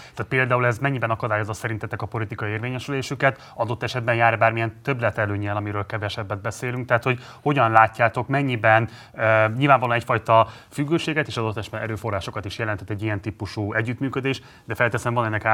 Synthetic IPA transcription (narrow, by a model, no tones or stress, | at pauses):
t̪aːt̪̚peːld̪aːulɛzmɛɲːibɛnɒkɒd̪aːjo̞zɒsɛɾint̪ɛt̪ːɛkɒpo̞lit̪ikɒieːrveːɲɛʃyleːʃykɛt̪ | ɒd̪o̞t̪ːɛʃɛd̪̚bɛnjaːɾbaːrmijɛnt̪ø̞blɛt̪ɛløːɲɛlɒmiɾøːlkɛvɛʃɛbːɛd̪̚bɛseːlyŋk̚t̪ɛɦːt̪ho̞ɟ | ho̞ɟɒnlaːcːaːt̪o̞kmɛɲːibɛn | ɲilvaːɱvɒloːnɛcfɒjt̪ɒ | fyɡːøːʃeːɡɛt̪eːʃɒd̪o̞t̪ːɛʃbɛnɛ̰ɾøːfo̞raːʃo̞kɒt̪iʃjɛlɛnt̪ʰɛt̪ːɛɟːijɛnt̪ipuʃuːɛɟːyt̪myːkød̪eːʃ | d̪ɛfɛlt̪ɛsɛɱvɒnɛnːɛka